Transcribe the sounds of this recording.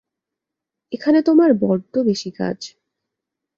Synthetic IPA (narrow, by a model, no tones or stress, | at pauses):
ekʰanet̪omaɾbɔɾd̪obeʃika̰d͡ʑ